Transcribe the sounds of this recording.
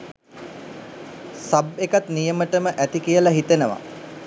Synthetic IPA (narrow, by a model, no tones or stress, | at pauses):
sabekat̪nijəməʈəməʔæt̪ikijəlaɦit̪enəʋa̰